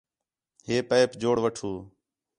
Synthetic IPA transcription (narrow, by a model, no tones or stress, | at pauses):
ɦeːpəːpd͡ʒoːɽʋəʈʰuː